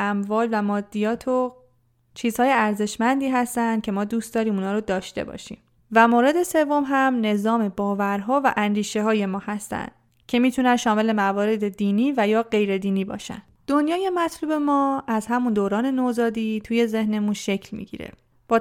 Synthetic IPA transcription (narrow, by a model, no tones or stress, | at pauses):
æmvɒːlvæmɒːd̪ːijɒːt̪ʰo | t͡ʃʰiːz̥hɒːje̞æɾze̞ʃmænd̪iːɦæst̪ænd̪̚cʰʲe̞mɒːd̪uːst̪d̪ɒːɾiːmuːnɒːɾod̪ɒːʃt̪e̞̰bɒ̰ːʃḭːm | væmoːɾe̞d̪e̞se̞vːo̞mɦæmne̞zɒːme̞bɒːvæɾɦɒːvæ̰ʔænd̪iːʃe̞ɦɒːje̞mɒːhæst̪æ̰nd̪̥̚ | cʰe̞miːt̪ʰunænʃɒːme̞le̞mævɒːɾe̞d̪e̞d̪iːniːvæjɒːɢe̞jɾe̞d̪iːniːbɒ̰ːʃæ̰nd̪̥d̪̥o̞njɒːje̞mæt̪ʰluːbe̞mɒːæzhæmund̪oːɾɒːne̞nozɒːd̪iːt̪ʰuːje̞ze̞hne̞munʃe̞cʰlmḭːɟḭːɾḛ | b̥ɒː